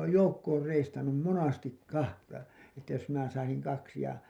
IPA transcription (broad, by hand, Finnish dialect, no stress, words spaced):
oːj joukːoːr reistɑnːum monɑstik kɑhtɑ etːæ jos minæ sɑisiŋ kɑksi jɑ